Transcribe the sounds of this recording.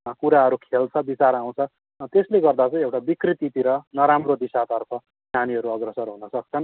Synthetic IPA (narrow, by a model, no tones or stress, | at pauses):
kuɾaɦʌɾukʰelt͡sʰʌbit͡saɾaw̃t͡sʰʌ | t̪esleɡʌrd̪at͡sʌĩewʈabikrit̪it̪iɾʌnʌɾamrod̪isat̪ʌrpʰʌ | daniɦʌɾuʌɡrʌsʌrɦunʌsʌk̚t͡sʰʌn